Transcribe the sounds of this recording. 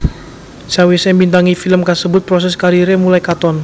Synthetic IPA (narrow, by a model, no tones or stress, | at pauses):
sawisembint̪aŋifiləmkasəbʊt̪̚pɾɔs̬ɛskaɾiɾemulajkat̪ɔn